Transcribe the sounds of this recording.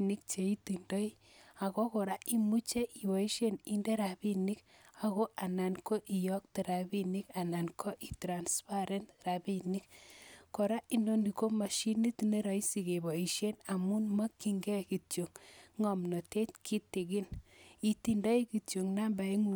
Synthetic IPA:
ni˦k̚t͡ʃe˨i˦ti˨ndɔ˦i˦ | a˨kɔ˦ko˨ɾa˦ʔi˦mu˦t͡ʃe˦ʔi˨bɔ˨i˦ʃe˦ni˦nde˦ɾa˨bi˦ni˦ka˨ko˦ʔa˨na˨nko˦ʔi˨jɔ˦k̚te˨ɾa˨bi˦ni˦ka˨na˨nkʰo˦ʔi˨tɾa˨nspa˦ɾɛ˦ntɾa˨bi˦ni˦k̚ko˨ɾa˦ʔi˦ndo˦ni˨ko˦ma˨ʃi˦ni˦tne˦ɾa˨i˦si˨ke˨bɔ˨i˨ʃje˦na˨mu˦nma˦ki˦ŋɡɛ˦ki˨tjo˨ŋŋɔ˨mnɔ˨te˦t̚kʰi˦te˨ɡi˦ni˨ti˨ndɔ˦i˦ki˨tjo˨ŋna˦mba˨i˦ŋu˨

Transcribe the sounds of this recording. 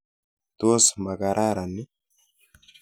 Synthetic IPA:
t̪oː˦smɐɡaɾʔaː˦ɾɐnːɪ˦

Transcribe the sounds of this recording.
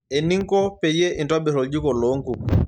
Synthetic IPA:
ɛ˨ni˦ŋ˦kɔ˦pɛ˨jɛ˦ʔi˨ntwa˦bɛ˨ɾɔ˨ɟi˦kɔ˨lɔ˨˦ŋɡu˨

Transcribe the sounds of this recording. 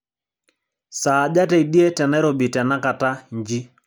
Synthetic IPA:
saː˨d͡ʒa˦tɛ˦˨i˨di˦e˦tɛ˨nɛ˦ɾo˨bi˨tɛ˨na˦ka˨ta˦ɲd͡ʒi˦

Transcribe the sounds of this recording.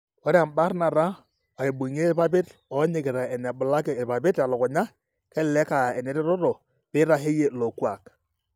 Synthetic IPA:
wa˦ɾa˨m̩˨ba˦ɾna˨ɾa˦ | a˨e˨bu˨ɲe˦pa˦bɪ˦tɔ˨˦ɲɪ˨kɪ˨ɾa˨ɛ˨nɛ˨bʊ˨la˦kɛ˨pa˨bɪ˦ta˨lɔ˨kʊ˨ɲa˦ | kɛ˦llɛ˦ka˨ɛ˨nɛ˨ɾɪ˦ɾɔ˦ɾo˨ | bɪ˦ɾa˦ɦe˦je˦lo˨kwa˨k

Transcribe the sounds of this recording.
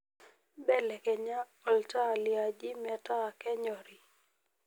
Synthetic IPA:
bɛ˦lɛ˨kɛ˨ɲa˦ | ɔ˨lta˦˨lɪa˨d͡ʒɪ˦mɛ˨ta˦˨kɛ˦ɲɔ˨ɾi˨

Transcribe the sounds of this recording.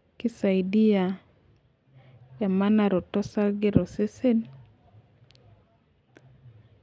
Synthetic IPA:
kɪ˦sa˨i˨di˦a˨ | ja˨ma˦na˦ɾɔ˨tɔ˦sa˦lɡɪ˦ɾɔ˨sɪ˦sɪ˦n

